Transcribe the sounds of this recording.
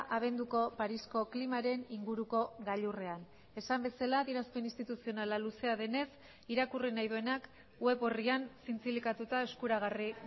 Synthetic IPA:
ʔaβ̞e̞nd̪uko̞paɾisko̞klimaɾe̞niŋɡuɾuko̞ɣaʎure̞an | e̞sambe̞salaðionaspeninst̪it̪usio̞nalaluse̞aðe̞ne̞s | iɾakurinajðue̞nak | we̞βoriansint͡silikat̪ut̪aeskuɾaɣari

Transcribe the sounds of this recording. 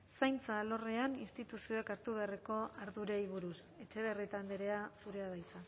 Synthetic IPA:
sajnt͡salo̞reaninst̪it̪usio̞ekaɾt̪uβe̞areko̞aɾðuɾeiβuɾus | e̞t͡ʃe̞βe̞rit̪and̪eɾe̞asuɾe̞aðajt͡sa

